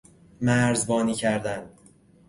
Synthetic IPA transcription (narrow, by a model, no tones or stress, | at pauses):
mæɾzbɒːniːcʰæɾd̪æn